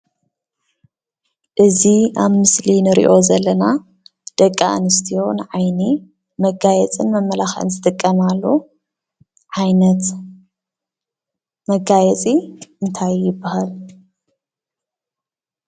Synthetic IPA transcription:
ʔɨziaβmɨslinɨɾḭʔo̞zɐlːɐna | d̪̥ɐkʼːaʔnɨst̪ʰijo̞nʕajni | mɐɡajɛt͡sʼɨnmɐmːɐlaxʔɨ̰nzɨt̪ʼɨkʼːɐmalːo | ʕajnɐt̪ | mɐɡajɛt͡sʼiʔɨnt̪ʰajjɪbːahal

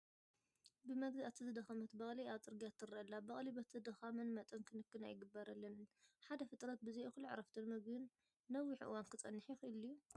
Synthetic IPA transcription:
bɨmɐɡd̪at̪ʰɨzɨd̪ɐxamɐt̪bɐxʼlijat͡sʼɨɾɡijat̪ːɨɾɐʔɐlːabɐχʼlibɐt̪ʰzɨd̪ɐxamɐnmɐt̪ʼɐnkʰɨnɨkːɨnajɪɡɨbːɐɾɐlːɐnnħad̪ɐfɨt̪ʼɾɐt̪̚bɨzejuxɨlːuʕ̰ɾɐft̪ʰɨnmɐɡdɨnː | ɐwːiħɨʔɨ̰wankʰɨt͡sʼɐnːɨħijxɨʔɨlːiu

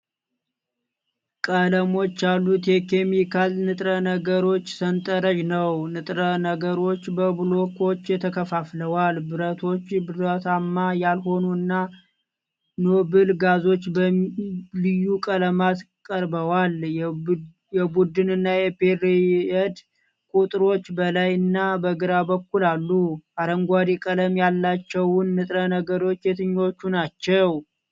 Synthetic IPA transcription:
kʼələmo̞t͡ʃːjalːut̪jɛke̞mikʰalnɨt̪ʼɾənəɡəɾo̞t͡ʃːsənt̪ʼəɾəʒnəwnɨt̪ʼɾənəɡəɾo̞t͡ʃːbəblokʰo̞t͡ʃːjɛt̪ʰəkʰəfafləwalbɨɾət̪ʰo̞t͡ʃːbɨɾət̪ʰamːajalho̞nuɨnːa | nobɨlɡazo̞t͡ʃːbəlɨjːukʼələmat̪ | kʼəɾbəwal | jɛbud̪ɨnɨnːajɛpeɾeɛd̪ | kʼut̪ʼɾo̞t͡ʃːbəlajɨnːabəɡɨɾabəkːulalːuʔaɾəŋɡʷad̪ekʼələmjalːat͡ʃːɛwnːɨt̪ʼɾənəɡəɾo̞t͡ʃːjɛt̪ʰɨɲːo̞t͡ʃːunat͡ʃːɛw

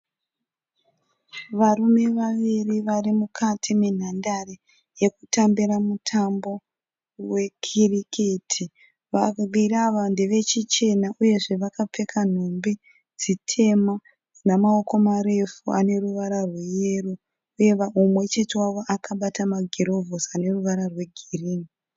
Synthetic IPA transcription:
ʋaɾume̞ʋaʋiriʋarimukʰatʰimen̤andare | je̞kutambiɾamutʰambo̞ | we̞kʰirikʰetʰi | ʋaɡiraʋande̞ʋe̞t͡ʃit͡ʃe̞naʔuje̞ʐe̞ʋakap͡fe̞kʰan̤ombi | d͡zitʰe̞ma | namao̞ko̞maɾe̞fuane̞ruʋaɾarwe̞je̞ru | uje̞ʋaumwe̞t͡ʃe̞te̞waʋo̞ʔakaɓatamaɡʱeɾo̞vosane̞ruʋaɾarwe̞ɡʱiriːni

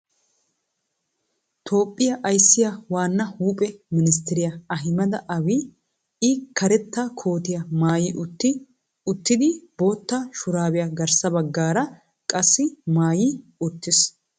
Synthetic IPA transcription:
t̪ʰo̞ːpʼːɪjɐʔɐjsːɪjɐwaːnːɐhuːpʼɛmɪnɪs̬t̪ɛɾɪjɐɐɦɪmɐd̪ɐʔɐwi | ɪkːɐɾɛt̪ːakʰo̞ːt̪ɪjɐmaːjiʔʊt̪ːɪ | ʊt̪ːɪd̪ɪbo̞ːt̪ːaːʃʊɾaːwɪjɐɡɐɾsɐbɐɡːaːɾɐ | kʼɐsːɪmaːjiːʊt̪ːɪs

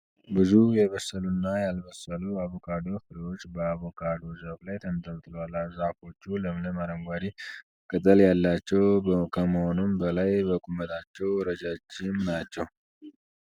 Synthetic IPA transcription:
bɨzujɛβəsːəlunːajalβəsːəluaβokʰad̪o̞ɾfɨɾiwo̞t͡ʃːbəaβokʰad̪o̞ɾzəβlajt̪ʰənt̪ʼʰəlt̪ʼɨloalazako̞t͡ʃːuləmnəmaɾəŋɡʷaɾi | kʼɨt̪ʼəljalːat͡ʃːɛwkʰəməho̞numbəlajbəkʼumət̪ʰʼat͡ʃːɛwɾəd͡ʒat͡ʃːɪmnat͡ʃːɛw

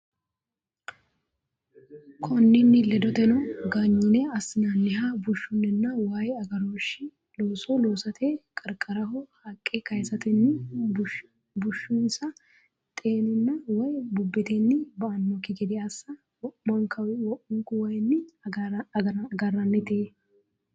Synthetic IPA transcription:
kʰɔnːɪnːɪlɛd̪ɔt̪ɛnɔɡaːɲːɪnɛɐsɪnɐnːɪhabʊʃːʊnːɛnːɐwajɐɡɐɾoːʃɪ | loːsoloːsɐt̪ʰeːkʼɐɾkʼɐɾɐɦɔhɐkʼːekɐjsɐt̪ɪnːɪb | bʊʃːunsɐ | t̪ʼeːnɪnːɐwɐjbʊbːɪt̪ɛnːɪbɐʔɐnmɔkːɪɡɛd̪ɪɐsːɐ | wɔʔmɐŋkʰɐwɪwɔʔʊŋkʊwɐjnːɪ | ɡɐrːɐnːɛt̪eː

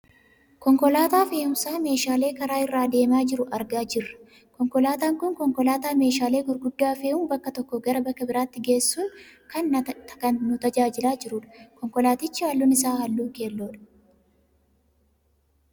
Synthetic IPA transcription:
kɔŋkɔlaːt̪aːfe̞ːʊmsaːme̞ːʃaːle̞ːkɐɾaːɪrːaːd̪e̞ːmaːd͡ʒɪɾʊʔɐɾɡaːd͡ʒɪrːɐ̥ | kɔŋkɔlaːt̪aːŋkʊŋkɔŋkɔlaːt̪aːme̞ːʃaːleːɡʊɾɡʊd̪ːaːfe̞ːʔʊmbɐkːɐt̪ɔkːɔɡɐɾɐbɐkːɐbɪɾaːt̪ːɪɡe̞ːsːʊnkɐnkɐnnʊt̪ɐd͡ʒaːd͡ʒɪlaːd͡ʒɪɾuːᶑɐ̥kɔŋkɔlaːt̪ɪt͡ʃːɪhaːlːuːnɪsaːhɐlːuːke̞ːlːoːᶑɐ̥

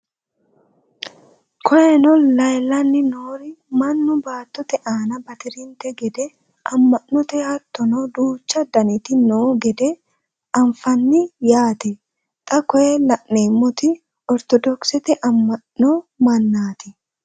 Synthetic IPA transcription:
kʰɔʔɛnɔllɐjlɐnːɪnoːɾɪmɐnːʊbaːt̪ːɔt̪ɛʔaːnɐbɐt̪ɪɾɪnt̪ɛɡɛd̪ɛ | ʔɐmːɐnːɔt̪ɛhat̪ːɔnod̪uːt͡ʃːɐd̪ɐnɪt̪ɪnoːɡɛd̪ɛ | ɐɱfɐnːɪjaːt̪ɛ | t̪ʼɐkɔɛlɐʔeːmːɔt̪ɪ | ɔɾt̪ɔd̪ɔksɛt̪ɛʔɐmːɐnnomɐnːaːt̪ɪ

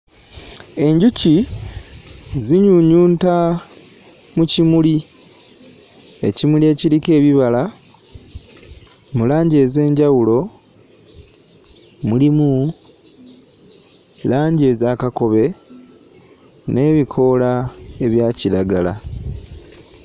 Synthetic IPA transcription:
e̞ɲɟuci | ziɲuɲuːnta | mucimuli | e̞̰cimulie̞ːciɾike̞ːβiβala | mulaːɲɟe̞ːze̞ːɲɟawulo̞ | mulimu | laːɲɟe̞ːzaːkako̞βe̞ | ne̞ːβikʰo̞lae̞βjaːciɾaɡala̰

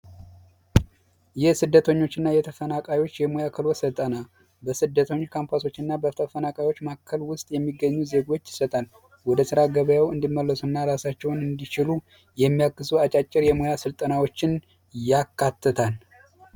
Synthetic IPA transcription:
jɪhsɨd̪ːət̪ʰəɲːo̞t͡ʃːɪnːajɛt̪ʰəfənakʼajwo̞t͡ʃːjɛmojakʰəlwɔsɨt̪ʼəna | bəsɨd̪ːət̪ʰəɲːkʰampʰaso̞t͡ʃːɪnːabət̪ʰəfənakʼajwo̞t͡ʃːmakʰːəlwʊst̪ʼjɛmːiɡːəɲːuze̞ɡo̞t͡ʃːɪ̥sət̪ʼal | wɔd̪əsɨɾaɡəβjawɨnd̪imːəlːəsunːaɾasat͡ʃːɛwnɨnd̪it͡ʃɪlu | jɛmːijakːɨsuat͡ʃʼat͡ʃʼːɪɾjɛmojasɨlt̪ʼənawo̞t͡ʃːɪn | jakʰːat̪ːɨt̪ʰal

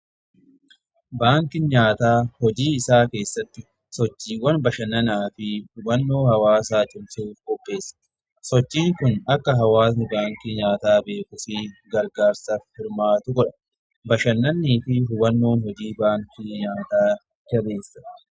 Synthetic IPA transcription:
baːŋkɪɲaːt̪aːhɔd͡ʒiːɪsaːke̞ːsːɐt̪ːɪ | sɔt͡ʃːiːwɐnbɐʃɐnːɐnaːfɪhʊbɐnːo̞ːhɐwaːsaːt͡ʃʼʊmsuːfkɔpːe̞ːsːɐ̥ | sɔt͡ʃːiːŋkʊnɐkːɐɦɐwaːsɪbaːŋkiɲaːt̪aːbe̞ːkʊfɪɡɐɾɡaːɾsɐfɪɾmaːt̪ʊkɔᶑɐ̥ | bɐʃɐnːɐnːiːfɪhʊbɐnːo̞ːnhɔd͡ʒiːbaːŋkɪɲaːt̪aː | d͡ʒɐbe̞ːsːɐ̥

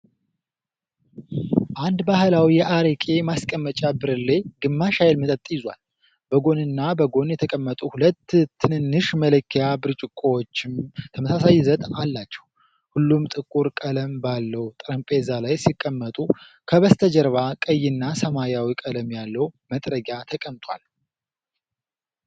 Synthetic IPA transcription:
ʔand̪bahlawijɛʔaɾəkʼe̞maskʼəmːət͡ʃʼabɨɾɨlːejɡɨmːaʃajlmɨt̪ʼət̪ʼːjɪzwa̰l | b̥əɡo̞nɨnːabəɡo̞njɛt̪ʰəkʼəmːət̪ʼuhulət̪ːt̪ʰːɨnɨnːɨʃmələkʰːijabɨɾt͡ʃʼɪkʼːowot͡ʃːɪmt̪ʰəməsasajzət̪ʼalːat͡ʃːɛ̥w | hulːumt̪ʼɨkʼːuɾkʼələmbalːəwt̪ʼɨɾəmpʼezalajsikʼːəmːət̪ʼu | kʰəβəst̪ʰəd͡ʒəɾβakʼəjːɪnːasəmajawikʼələmjalːəwmət̪ʼɾəɡjat̪ʰəkʼəmt̪ʼwa̰l

